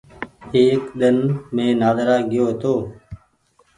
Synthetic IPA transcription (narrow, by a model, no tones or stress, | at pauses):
eːkɗ̪ənmẽːnaːd̪əɾaːɡɪjoːt̪oː